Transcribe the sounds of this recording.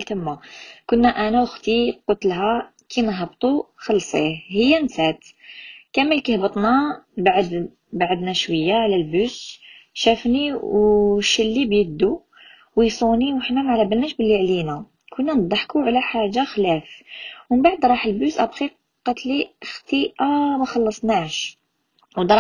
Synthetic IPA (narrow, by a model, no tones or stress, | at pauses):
lt̪əmːakʊnːæʔænæwəxt̪iqot̪əlɦæ | kʰimæɦəbt̪ˤuxɑlsˤihəjːænsæt̪kæmːəlkihbət̪ˤnæbaʕd̪ | baʕəd̪næʃwəjːaʕlælbusʃæfniwʃəlːibjəd̪ːu | wəjsˤuniwəħnæmʕlæbəlnæʃbəlːiʕlinæ | kʰunːænəd̪ˤːɑħkuʕlæħaʒaxlæfwəbaʕəd̪ɾˤɑħəlbusʔæbxi | qːɑt̪lixt̪iʔæmæxɑlːɑsˤnaʕʃ | wd̪ɾˤ